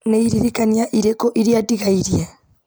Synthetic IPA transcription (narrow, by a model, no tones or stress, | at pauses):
neiɾiɾikanijaʔiɾɛkɔʔiɾiatiɣaiɾja